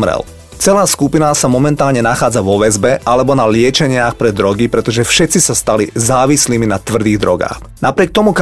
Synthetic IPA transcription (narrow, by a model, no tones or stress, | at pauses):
mɾɛ̰l | t͡sɛlaːskupinasamɔmɛnt̪aːlɲɛnaxaːd͡zaʋɔʋɛzbɛʔalɛbɔnalɪɛt͡ʃɛɲɪaxpɾɛd̪ɾɔɡipɾɛt̪ɔʒɛfʃɛt̪t͡sisast̪alizaːʋisliːminat̪ʋr̩d̪iːɣd̪ɾɔɡa̰ːx | napɾɪɛk̚t̪ɔmuk